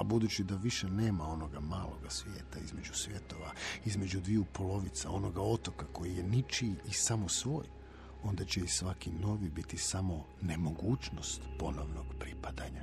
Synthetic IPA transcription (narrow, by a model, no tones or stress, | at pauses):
abud̪ut͡ɕid̪aʋiʃeneːmao̞no̞ɡamaːlo̞̰ɡasʋjeːt̪aizme̞d͡ʒusʋʲje̞t̪o̞ʋaizme̞d͡ʒud̪ʋiupo̞lo̞ʋit̪sao̞no̞ɡao̞t̪o̞kako̞jije̞nit͡ʃiːsamo̞sʋo̞ːj | o̞nd̪at͡ɕeisʋakino̞ʋibit̪isamo̞ | ne̞mo̞ɡuːt͡ʃno̞st̪po̞noʋno̞ɡ̥pɾipad̪aɲa